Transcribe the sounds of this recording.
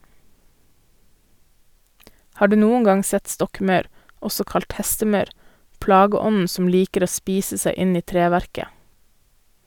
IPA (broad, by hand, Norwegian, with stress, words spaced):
ˈhɑː ˈɖʉː ˈnuːəŋ ˈɡɑŋ ˈsɛt ˈstɔkˌmɑʉɾ ˈɔsɔ ˈkɑlt ˈhɛstəˌmɑʉɾ ˈplɑːɡəˌɔnn̩ ˈsɔm ˈliːkəɾ ˈoː ˈspiːsə ˈsæɪ ˈɪn ˈiː ˈtɾeːʋæɾkə